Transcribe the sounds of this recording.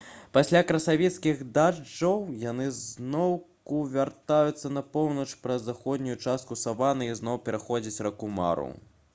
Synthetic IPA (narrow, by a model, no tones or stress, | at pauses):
pasʲlʲakɾɐsavʲɛt̪skʲiɣd̪ad͡ʐːɐwjanɨznɔwkuvʲart̪ajut̪sːɐnɐpɔwnɐt͡ʂpɾɐzːaxɔd̪ʲnʲujut͡ʂast̪̚kusavanɨiznɔwpʲɛɾaxɔd͡zʲɐt͡sʲrɐkuma̰ɾṵ